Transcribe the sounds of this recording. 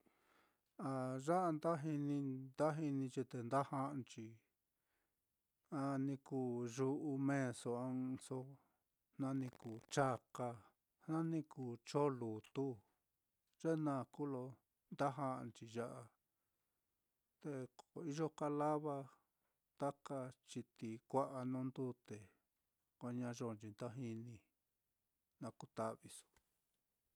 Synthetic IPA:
a˨ʐa˦ʔa˧nd̪a˦ɦi˧nĩ˧nd̪a˦ɦi˧nĩ˧t͡ʃi˧t̪e˧nd̪a˦hã˧˦ʔnt͡ʃi˧ | a˧nĩ˧kuː˧˨ʒu˧ʔu˧mẽ˦˧so˧a˧ŋ˧so˧ | nã˧nĩ˧kuː˨t͡ʃa˦ka˧ | hnã˦nĩ˧kuː˨t͡ʃo˦lu˨t̪u˦ | ʐ̥e˦˧nã˧˨˧ku˦lo˧ | nd̪a˦ɦa˦ʔnt͡ʃi˧ʒa˦ʔa˧ | t̪e˧ko˨i˦ʒo˦ka˧la˦βa˧ | t̪a˦ka˧t͡ʃi˧t̪i˨kʷa˦ʔa˧nũ˦nd̪u˦t̪e˨ | kʷa˧ɲã˧ʐo˧˨nt͡ʃi˧nd̪a˦ɦi˧nĩ˧ | nã˧ku˧t̪a˦ʔβi˧su̥˨

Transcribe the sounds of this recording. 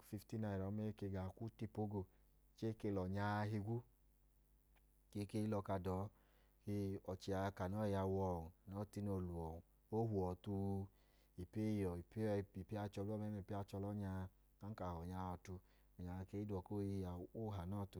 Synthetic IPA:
fi˧fti˦na˧˨ɾɔ˨˦mɛ˦ke˧˨ɡa˨ku˦ti˧po˦ɡo˧˨ | t͡ʃe˦ke˧lɔ˨ɲa˧ɦi˧ɡʷu˦ | ke˧˦ke˧˦i˦lɔ˧ka˧dɔː˨˦ | ki˦ɔ˨t͡ʃi˨˧a˧ka˨nɔ˦i˧ja˧wɔ˧˨u˨nɔ˨˦˨ti˦no˧˨lu˨ɔ˨ | o˦ɦu˨ɔ˨tu˧ | i˨pe˦i˨jɔ˨i˨pe˦˧i˨pi˦a˧t͡ʃɔ˧lu˦ɔ˦mɛ˦e˧˨pi˦a˧t͡ʃɔ˧lɔ˦ɲa˧ | a˨˦n˦ka˨hɔ˨ɲa˧ɔ˧tu˧˨ | ɲa˨˧ke˧˦i˦dɔ˨ko˦˧˦a˨u˦ɦa˨nɔ˦˨tu˧

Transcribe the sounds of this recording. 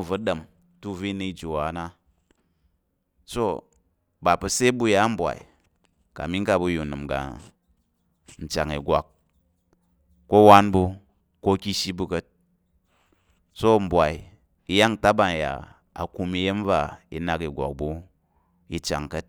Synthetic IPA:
vu˦ɗə˨m | tu˦vi˦ni˧i˦d͡ʒo˨wa˨˦na˦ | so˦ | ba˨pu˧se˦bu˧ja˨˦m̩˦bʷa̰˨ḭ˨ | ka̰˨mi˦ŋ˦ka˧bu˧ju˨nɨ˨mɡa̰˨ | n̩˨t͡ʃa̰˨ŋi˨ɡʷa˨k̚ | ko˦wa˦nbu˧ | ko˦kʲi˦ʃi˦bu˧kə˦t̚ | so˦m̩˨bʷa˨i˨ | i˧ja˦ŋ˨ta˦ba˨n˨ja̰˨ | a̰˨ku˧mi˧je˦m˦va˦ḭ˧na˧ki˨ɡʷa̰˨k̚bu˦ | i˧t͡ʃa̰˨ŋkə˦t̚

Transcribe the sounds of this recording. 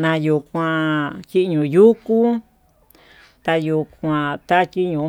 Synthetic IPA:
nã˧ju˧˨kʷã˧ki˦ʔɲũ˨ju˦ku˦ | t̪a˧ju˧kʷã˧t̪a˦ki˦ɲũ˧˨

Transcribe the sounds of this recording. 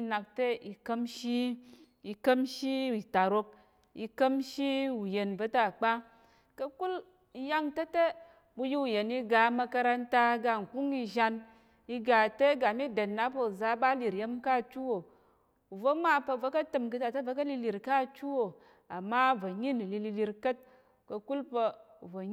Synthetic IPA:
i˦na˨k̚te˦i˧kə˦mʃi˦ | i˧kə˦mʃi˦i˨ta˨ɾo˧k̚ | ḭ˧kə˦mʃi˦u˨je˨nvə˦ta˦˨k͡pa˦ | kɐ˦ku˦l | i˧ja˦ŋte˦te˦ | bu˧ji˦u˨je˨ni˧ɡa˨˦ma˧ka˧ɾa˧nta˧ɡa˧˨ŋ̩˨ku˦ŋi˧ʒa˧n | i˧ɡa˨te˦ɡa˨mi˦de˨nːa˦pə˧u˨za˦ba˦li˨ɾje˦mka˦˨t͡ʃu˦wo˨ | u˨vo˨˦ma˦pə˧˨vo˦kɐ˦tɨ˧˨mk̬ɨ˧ta˨te˦və˦kɐ˦li˧li˨ɾka˦˨t͡ʃu˦wo˨ | a˨mːa˦vo˨ɲi˦ni˨li˧li˧li˧ɾkə˦t̚ | kɐ˧ku˦lpə˧ | u˨vo˨˦

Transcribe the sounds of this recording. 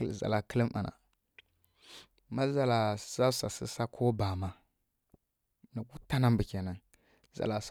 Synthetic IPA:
za̰˨la˨kə˦lə˦ma̰˨nʔa̰˨ | ma˦za˨la˨za˦sa˨sə̰˦sa˦kʰo˦ba˨ma˦ | na˨ku˦ta˦na˦mbə˨kʲa˨na˨n | za̰˨la˨s

